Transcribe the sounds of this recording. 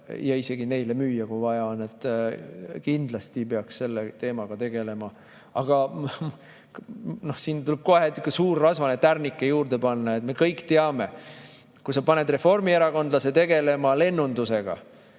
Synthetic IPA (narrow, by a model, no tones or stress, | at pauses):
jɑise̞ɡ̥ine̞jle̞myːjɑkujvɑjɑone̞t̪ːˑ | kind̪lɑst̪ipe̞ɑksse̞lːet̪e̞ːmɑɡ̥ɑt̪e̞ɡ̥e̞le̞mɑ | ɑɡ̥ɑ | no̞hsiːnt̪ulɛb̥̚ko̞ɦekɑsuːrːɑsvɑnet̪ːærnikːˑejuːrd̪e̞pɑnːɑet̪me̞kɤjkːt̪eɑme̞ | kusɑpɑne̞d̪re̞fo̞rmie̞ɾɑko̞nd̪lɑse̞t̪e̞ɡ̥e̞le̞mɑle̞nːund̪use̞ɡ̥ɑ̰